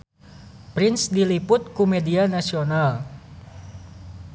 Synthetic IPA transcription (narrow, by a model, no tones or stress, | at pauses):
pɾɪnsdilipʊt̪̚kumedianasional